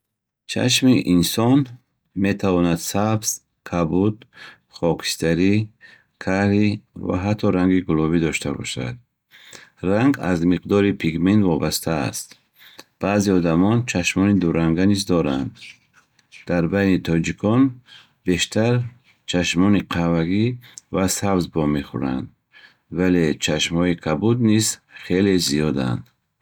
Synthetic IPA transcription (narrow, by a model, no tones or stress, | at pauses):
t͡ʃʰa̰ʃ̬miʔinsɔn | me̞t̪ʰavɔnad̪sabz̥ | kʰabud̪ | χɔkʰi̥st̪aɾi | kʰaɾiva̰ɦat̪ʰːɔɾaŋɡiɡulɔvid̪ɔʃt̪ʰabɔ̰ʃa̰d̪̚ | ɾaŋɡa̰zmiqd̪ɔɾipʰiɡment̪vɔbast̪ʰa̰ːst̪ | b̥aziɔd̪amɔnt͡ʃʰaʃmɔnid̪uɾaŋɡanizd̪ɔɾand̪ | d̪̥aɾbajnit̪ʰɔd͡ʒikʰɔn | be̞ʃt̪ʰaɾ | t͡ʃʰaʃmɔniqʰavaɡivasabzbɔmeχṵɾa̰nd̪ | vale̞t͡ʃʰaʃmhɔikʰabud̪nizχe̞leziɔd̪a̰nd̪